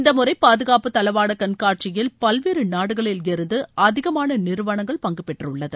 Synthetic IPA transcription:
ɪnd̪ɐmɯrɐɪpaːðɯɣaːpɯt̪ːɐlɐʋaːɽɐkɐnkaːʈ̚t͡ʃɪjɪlpɐlʋeːɾɯnaːɽɯɣɐɭɪljɛɾɯnd̪ɯʔɐðɪɣɐmaːnɐnɪɾɯʋɐɳɐŋɡɐɭpɐŋɡɯpːɛʈrɯɭːɐðɯ

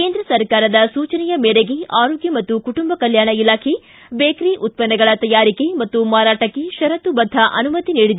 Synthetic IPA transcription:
keːnd̪ɾɐsɐɾkaːɾɐd̪ɐsuːt͡ʃɐnɛjɐmɛːɽeɡeaːɾoːɡjɐmɐt̪ːukuʈumbɐkɐljaːɳɐilaːkʰe | beːkɾiʔut̪̚pɐnːɐɡɐɭɐt̪ɐjaːɾikemɐt̪ːumaːɾaːʈɐkːeʃɐɾɐt̪ubɐd̪ʱːɐʔɐ̰numɐt̪iniːɽid̪e

